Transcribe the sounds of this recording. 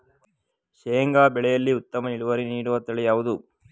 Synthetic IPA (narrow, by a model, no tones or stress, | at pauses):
ʃeːŋɡaːbɛɭɛjɐlːiut̪ːɐmɐniɭuʋɐɾiniːɽuʋɐt̪ːɐɭɛjaːʋud̪u